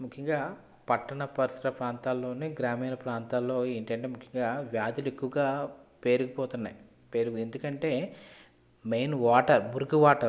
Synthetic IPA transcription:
mukʰjɐŋɡaː | pɐʈːɐɳɐpɐɾsɾɐpɾaːnt̪aːlːo̞ːneɡɾaːmiːnɐpɾaːnt̪aːlːo̞ːeːɳʈɐɳʈe̞ːmukʰjɐŋɡaːʋjaːd̪ulekːuʋɐɡaːpe̞ːɾuɡɐpɔːt̪unːa̰j | peːɾuɡuend̪ukɐɳʈe̞ː | mejnʋaːʈɐɾbuɾɡuʋaːʈɐɾ

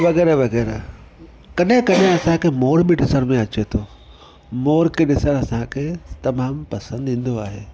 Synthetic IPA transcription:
ʋɐɣɛːɾaʋɐɣɛːɾa | kɐɗɦɪ̃kɐɗɦɪ̃ɐsãkʰemoːɾbɪɗɪsəɽ̃mẽɐt͡ɕet̪ʰoː | moːɾkʰeɗɪsəɽ̃ɐsãkʰet̪ɐmaːmpɐsə̃nd̪ĩːn̆d̪oaːɦeː

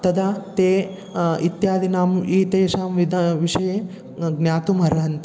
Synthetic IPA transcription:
t̪ɐd̪at̪eː | it̪jaːd̪inaːmiːt̪eːʃaːmʋid̪ʋiʃɐje | ɡnʲjaːt̪umɐɾɐɦɐnt̪i̥

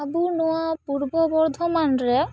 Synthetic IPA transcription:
abunɔwapuɾbɔbɔɾd̪ʱɔmanɾɛ

